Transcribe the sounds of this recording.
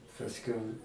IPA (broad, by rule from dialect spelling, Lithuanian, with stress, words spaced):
pɐsʲˈkʲɛʊ